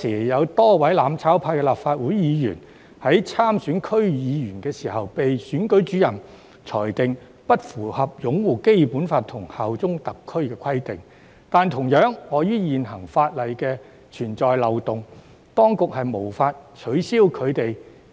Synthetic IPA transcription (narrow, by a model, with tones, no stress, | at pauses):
siː˨˩˨jɐ˨˧wt̪ɔː˥wɐ˨˥jlaː˨˧mt͡sʰaː˨˥wpʰaː˧kɛː˧laː˨pfaː˧t̚wuː˨˥jjiː˨˧jyː˨˩n | hɐ˨˥jt͡sʰaː˥msyː˨˥nkʰɵ˥ɥjiː˨˧jy˨˩nkɛː˧siː˨˩hɐ˨wpe˨jsyː˨˥nkɵ˨˥ɥt͡ʃyː˨˥jɐ˨˩n | t͡sʰɔː˨˩jt̪ɪ˨ŋ | pɐ˥t̚fuː˨˩hɐ˨p̚jʊ˨˥ŋwuː˨˩ke˥jpuː˨˥nfaː˧t̪ʰʊ˨˩ŋhaː˨wt͡sʊ˥ŋt̪ɐ˨kʰːɵ˥ɥkɛː˧kʰɐ˥jt̪ɪ˨ŋ | t̪aː˨˧nt̪ʰʊ˨˩ŋjœː˨˥ŋːɔː˨˧jyː˥jiː˨nɦɐ˨˩ŋfaː˧t̚lɐ˨jkɛː˧ | t͡ʃʰyː˨˩nt͡sɔː˨jlɐ˨wt̪ʊ˨ŋ | t̪ɔː˥ŋkʊ˨k̚hɐ˨jmo˨˩wfaː˧t̚t͡ʃʰɵ˨˥ɥsiː˥wkʰɵ˨˧ɥt̪e˨j